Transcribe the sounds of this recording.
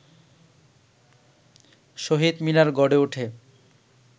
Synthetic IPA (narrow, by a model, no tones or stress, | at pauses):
ʃoɦid̪minaɾɡɔɖeuʈʰe